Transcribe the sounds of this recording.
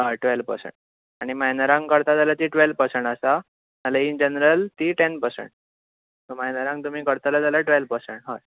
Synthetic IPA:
ɦaʈʋelʋpə̰ɾsḛɳʈ | aɽ̃imajnəɾãŋɡkəɾt̪ad͡zalat̪iʈʋelpəɾsəɳʈasa | malaind͡ʑənɾəlt̪iːʈenpəɾsḛɳʈ̚ | t̪omajnəɾãŋɡt̪um̤iːkəɾt̪alad͡zalaʈʋelpəɾseɳʈɦa

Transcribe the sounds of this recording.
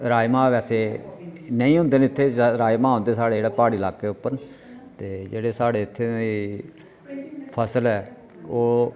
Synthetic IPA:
ɾaːjmãːʋɛːseːnəĩːɦʊ̃nd̪eːnɪt̪ʰːeːɾaːjmãːɦõnd̪eːsaːɽeːeːɽaːpaːɽiːlaːkeːʊpːəɾ | t̪eːd͡ʒḛːɽeːsaːɽeːɪt̪ʰːeːiː | pʰəsəlɛː | oː

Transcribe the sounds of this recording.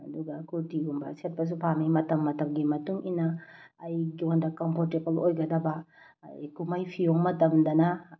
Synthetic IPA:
ɐduɡakuɾtiumbɐ̰set̚pɐs̬upʰamimɐtɐmːɐtɐmɡimɐtuŋinaːjɡiondakɔmpʰoɾtebɐlojɡɐdɐba̰ː | jkumajpʰijoŋmɐtɐmdɐna

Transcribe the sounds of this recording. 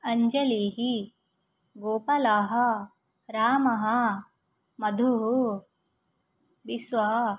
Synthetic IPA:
ɐɲd͡ʒɐliːɦi | ɡoːpɐlaːɦɐ | ɾaːmɐɦɐ̆ | mɐd̪ʱuɦu | bisʋɐɦɐ

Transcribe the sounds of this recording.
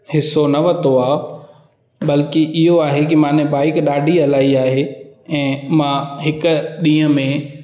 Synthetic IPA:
hɪsonɐʋɐt̪oaːɦo | bɐlkiʔɪɦoaːɦekimãːnẽbaːɪkɗaːɖʱiɐlaːiaːɦeɛ̃ːmãɦɪkɗĩːə̃mẽ

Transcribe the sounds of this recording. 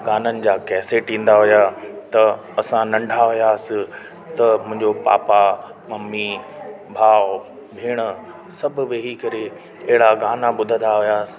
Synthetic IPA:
ɡaːnənɪ̆d͡ʑaːkɛːseʈĩːn̆d̪aɦʊjat̪ɐ | ɐsãnɐ̃ɳɖʱaɦʊjaːsɪ | t̪ɐmʊ̃ɦɪ̃ɲd͡ʑopa̰ːpa | mɐmːi | bʱaːw | bʱeːɽ̃ə | sɐbʱʊ̆ʋeːɦikɐɾe | ɐɦɪɽaɡaːnaɓʊd̪ʱə̃nd̪aɦʊjaːsɪ̥̆

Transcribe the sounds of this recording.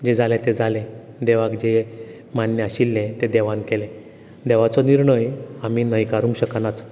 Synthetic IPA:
d͡ʑed͡zalẽt̪ed͡zʱalẽ | d̪eʋakd͡ʑe | manːjəaɕilːẽt̪ed̪eʋãnkele | d̪ɛʋat͡sɔniɾɳəjamiːnəjkaɾũŋkɕəkanat͡s

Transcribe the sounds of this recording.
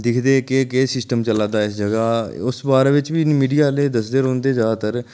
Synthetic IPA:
d̪ɪkʰd̪eːkeːkesɪsʈəmt͡ʃəlãːd̪aːɪsd͡ʒəɡaːʊsbaːɾeːʋɪt͡ʃʋiːmiːɖijaːleːd̪əsd̪eːɾõːnd̪eːd͡ʒaːt̪əɾ

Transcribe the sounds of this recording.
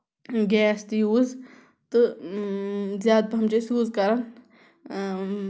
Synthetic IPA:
ɡɛːst̪juːz | t̪ɨ | zjaːd̪̚pɐɦɐmt͡ʃesjuːzkɐɾən

